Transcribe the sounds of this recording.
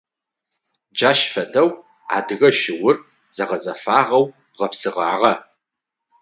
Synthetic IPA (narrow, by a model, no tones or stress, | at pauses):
d͡ʒaːʃfɐdɐw | a̰dɨɣɐʃɪwʊr | z̥ɐʁɐzɐfaːʁɐw | ʁɐpsɨʁa̰ːʁɐ